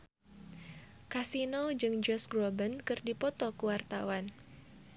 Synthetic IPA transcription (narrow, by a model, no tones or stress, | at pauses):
kasinod͡ʒɨŋd͡ʒɔsɡɾobənkɨrdipɔt̪ɔkuwart̪awan